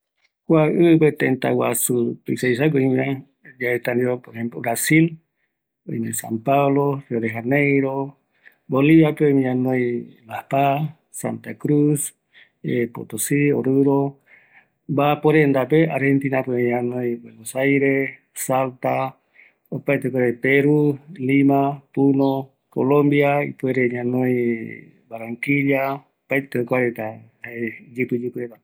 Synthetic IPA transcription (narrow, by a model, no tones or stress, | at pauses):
kʷaɨpet̪ent̪a̰wa̰sut̪uisajs̬ak̬oĩmã | jaet̪and̪iopoɾehemplobɾasil | oinesa̰mpaβlorjoðeɦanejɾo | boliβapeomĩãnojlahpa | sa̰nt̪akɾus | epo̰t̪osio̰ɾɨɾo | bapoɾend̪apeaɾhent̪inapmiɲãnojbwenosajɾe | salt̪a | opajt̪ekoaɾepeɾulimapuno | ko̰lõmbiaḭpueɾeɲãnõj | baɾaŋkiɾaopajt̪ekoaɾet̪a | ed͡ʒɨpɨd͡ʒɨpɨɾet̪a